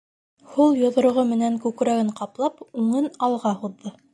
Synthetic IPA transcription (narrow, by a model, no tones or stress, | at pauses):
hulˠjŏðŏɾ̆ʁɤmɘ̆næŋkʉkɾæɡɘɴqɑplˠɑpʉŋɤnɑlˠʁɑhuðːɤ